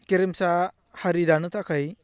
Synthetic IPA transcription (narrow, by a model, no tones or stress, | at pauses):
keɾemsa | haɾidanɯtʰakʰaj